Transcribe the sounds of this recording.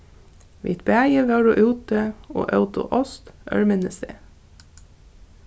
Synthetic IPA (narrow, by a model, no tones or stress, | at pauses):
ʋḭːt̪bæːjəʋɑːɾɔʔuːt̪əo̰ːʔɑʉt̪ʊ̰ʔɔst̪ʔœ̰ɹmɪnəst̪ḛː